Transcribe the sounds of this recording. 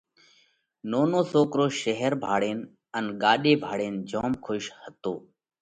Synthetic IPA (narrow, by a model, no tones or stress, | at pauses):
noːnoːsoːkɾoːʃəɦəɾbʱaːɽeːn | ənɠaːɗeːbʱaːɽeːnd͡ʒoːmkʰoːʃhət̪oː